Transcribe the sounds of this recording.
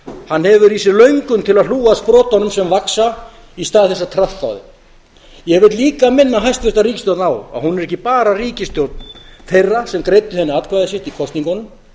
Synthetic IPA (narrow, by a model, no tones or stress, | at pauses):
hanːhɛvʏɾisɪɾlœɥŋkʏnt̪ʰɪlaðluːɣaspɾɔːt̪ahɔnʏmsɛmvaksa | ist̪aːðɪθɛsːat̪ʰɾat̪ːa̰wðɪ̰ | jɛɛvɪɾt̪liːkamɪnːaɦajst̪fɪst̪aɾiːcɪst̪jowt̪naːwa̰ðhunɛɾɛhçcɪpaːɾariːcɪst̪jowt̪̚nθejrːasɛmkɾejt̪ʏhɛnːɪat̪kvajðɪsjɛht̪ikʰɔst̪niŋkɔnʏm